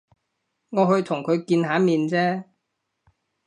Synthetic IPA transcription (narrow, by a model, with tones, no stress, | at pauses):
ŋɔː˨˧ɦɵ˧ɥt̪ʰʊ˨˩ŋkʰɵ˨˧ɥkiː˧nhaː˨˥miː˨˧nt͡sɛː˥